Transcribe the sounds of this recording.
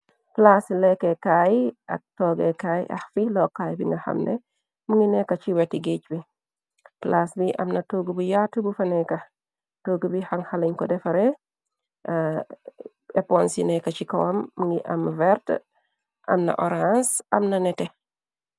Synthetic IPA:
plaslɛkːɛkaːjɐ̰k̚tɔːɡɛkaːjʔɐ̰xfilɔkːaːjbiŋɡɐxɐ̰mnɛ̰ | muŋinɛkːɐt͡ʃiwɛtːiɡicbi | plasbiʔɐ̰mnɐtoɡubujatːubufɐnɛkɐ | toːɡbihaŋhalɐɲkɔdɛfɐɾɛ | ɛpɔnsinɛkɐt͡ʃikɔwɐmːuŋɡiʔɐmvɛɾt | ʔɐmnɐ̰ʔɔɾansɐmnɐnɛtɛ

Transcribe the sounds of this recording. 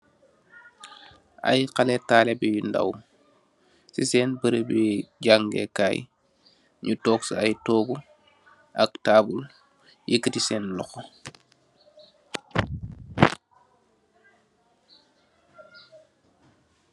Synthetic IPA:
a̰jqalɛtaːlɛbɛjunda̰w | sisɛːnbəɾəbɛɟaŋɡɛ̰kaːj | ɲutɔːksajtɔːɡu | ʔɐktaːbul | jikətisɛːnlɔxɔ

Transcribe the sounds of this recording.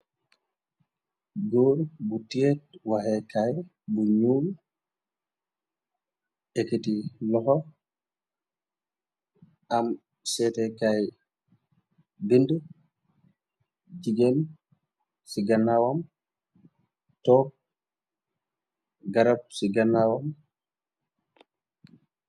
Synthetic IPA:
ɡoɾbutiɛt̚waɦɛkaj | buɲuːl | ɛketilɔɦɔ | ʔam | sɛtɛkaj | bindu | d͡ʒiɡɛn | siɡanːawam | tɔk̚ | ɡaɾab̚siɡanːawam

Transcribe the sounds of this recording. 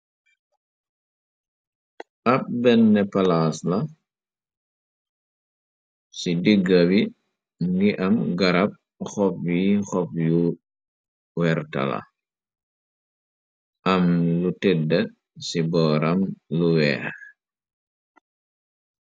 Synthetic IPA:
ʔɐp̚bɛnːɛpɐlaːslɐ | sidiɡːɐwi | ŋɡiʔɐmɡɐɾɐp̚ | xɔpwixɔp̚ju | wɛɾtɐ̰lɐ̰ | ʔɐmlutɛdɐ | sibɔːɾɐmluwɛ̰ːx

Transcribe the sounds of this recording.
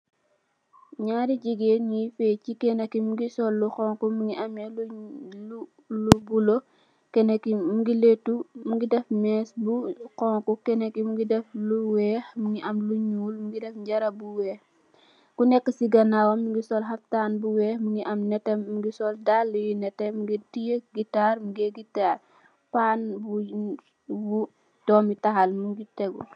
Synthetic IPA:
ɲaːɾiɟiɡeːnɲifɛːcikɛnɐkimuɡisɔlːuxɔŋkumuŋɡiʔɐmjɛlulu | lubulo | kɛnɐkimuɡiletːumuɡidɛfmɛːsbuqɔŋkukɛnɐkimuɡidɛfluwɛːxmuŋɡiʔɐmluɲuːlmuŋɡidɛfɲɟɐɾɐbuwɛːx | kunɛkːəsiɡɐnawɔmːuŋɡisɔlɦɐftaːnbuwɛːxmuŋɡiʔɐmnɛtːɛmuŋɡisɔldalːujinɛtːɛmuŋɡidijeɡitːaːɾmuɡeɡitaːr | paːnbu | bu | d̥ɔːmitɐxɐlmuŋɡitɛɡṵ

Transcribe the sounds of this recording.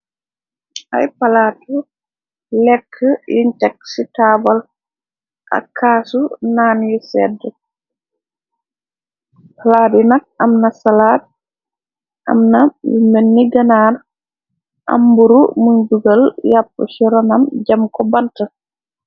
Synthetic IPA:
ʔa̰jpaladu | lɛkʰːəintɛk̚sitaːbal | ʔa̰kʰaːsunaːnjɔsɛdːɛ | palaːdunak̚amnasalaːd̚ | ʔa̰mnamɛnːiɡanaɾ | ʔa̰mbuɾumunduɡaljapːɔ̰sɔɾɔnamd͡ʒamkɔbanta

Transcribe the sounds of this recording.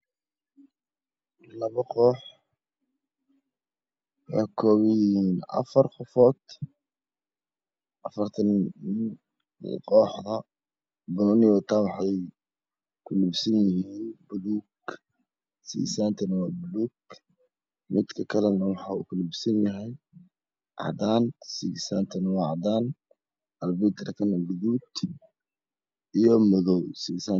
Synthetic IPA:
lɐβɐqɔːħ | wħakʰɔːβɪjɪhiːnɐ̰fɐrxʊfɔːt̪ | ʔɐfɐɾt̪ʰɐn | qɔːħðɐ | bɔnɪjɔːt̪aːnwɑħɑj | kʰʊlʊbsɪnjɪhiːnbʊluːɡ | sḭːsaːnt̪ʰɐnwaːbʊluːɡ | mɪd̪kʰɐkʰɐlɛnɐwɑħɑːukʰʊlɪbsɐnjɐɦɛj | ʔɑ̰d̪aːnsisaːnt̪ʰɐnwɑːʕd̪aːn | ɐlbit̪ʰɾkʰɐnɡʊðuːd̪ | ʔijɔmɔðɔwsiːsaː

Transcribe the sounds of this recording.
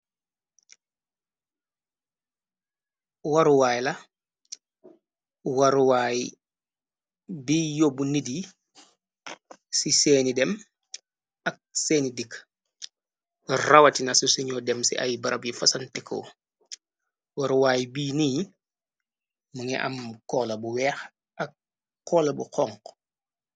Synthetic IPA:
waɾuwaːjlɐ | waɾuwaːji | biːjobunidi | siseːnidɛm | ak̚sɛːnidik | rɐwɐtinɐsusuɲɔdɛmsḭʔɐ̰jbɐɾʔɐbjifɐsɐntɛkʰːɔ̰ | wɐɾuwaːjbiːniː | muŋɛʔɐ̰mkɔːlɐbuwɛːx | ʔɐk̚ː | ɔːlɐbṵqɔŋk

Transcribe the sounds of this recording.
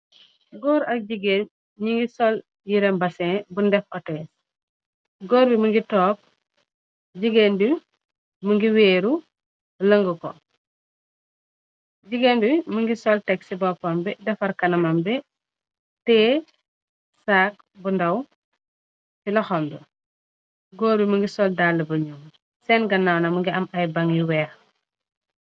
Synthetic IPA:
ɡɔːɾɐk̚ɟiɡeːn | ɲiŋɡisɔl | jiɾɛmbɐsɛ̃bundɛfʔɔtɛːs | ɡɔːɾbimuŋɡitɔːk̚ | ɟiɡenbi | muŋɡiweːɾu | lɐŋɡukɔ̰ | ɟiɡenbiməŋɡisɔltɛksibɔpɔmbɛdɛfɐɾkɐnɐmɐmbɛ | tɛː | saːk̚bundɐw | filɐxɔːmdu | ɡɔːɾbiməŋɡisɔldalːəbɐɲum | sɛnɡɐnːawnɐməŋɡiɐmɐjbɐŋjiwɛːx

